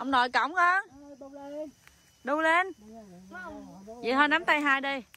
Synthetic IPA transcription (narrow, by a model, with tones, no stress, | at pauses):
ʔə˧wŋ͡mnɔ̰˨˩jkə̰˧˩wŋ͡mkə˧ | ɗu˧le˧n | vḭ˧˨jh̪ʰɔː˧jna˨˦mt̪a˧jɦaː˧jɗə˧j